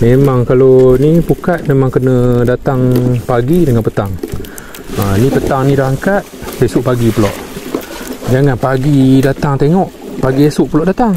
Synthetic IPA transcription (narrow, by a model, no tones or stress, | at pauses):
memaŋkalonipukat̪̚memaŋkənədat̪aŋpaɡidəŋanpət̪aŋ | ənipət̪aŋnidahaŋkat̪̚pesuʔpaɡipəlɔ̰ʔ | d͡ʒaŋanpaɡidat̪aŋt̪eŋɔʔpaɡiesuʔpəlɔʔdat̪aŋ